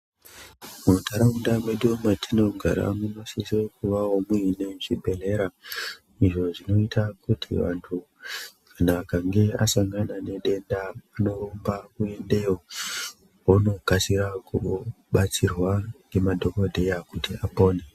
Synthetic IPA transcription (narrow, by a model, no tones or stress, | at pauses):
mutʰaɾaundamweɗomatʰino̞ɡʱa̰ɾa̰muno̞sisokuʋaɦomwene̞ʐibʱe̞le̞ɾa | iʐo̞ʐino̞itʰakutʰḭʋa̰ntʰu | kanaːkaŋɡe̞asaŋɡanane̞ɗe̞ndaːno̞rombakue̞nde̞jo | ono̞kasiɾaku | ɓat͡sirwanɡe̞madʱo̞ko̞dʱe̞jakutiapo̞ːne